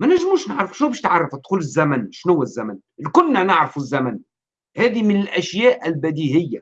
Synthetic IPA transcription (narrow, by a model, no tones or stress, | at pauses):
mænæʒmuːʃnɪʕɾˤɑfʃnuːbæːʃt̪ʕɑrˤːɑft̪ːxuːlɪzːæmænʃnʊwːæzːæmæn | lkʊlːænɪʕɾɑfuzːæmæn | hæːðimɪnɪlʔæʃjæːʔɪlbæd̪iːhɪjːa